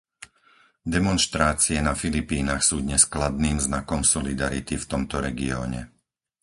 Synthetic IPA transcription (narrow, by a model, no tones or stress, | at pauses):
d̪ɛmɔnʃt̪ɾaːt͡siɛnafilipiːnaxsuːd̪ɲɛsklad̪niːmznakɔmsɔlid̪aɾḭt̪ift̪ɔmt̪ɔɾɛɡiɔ̰ːɲɛ̰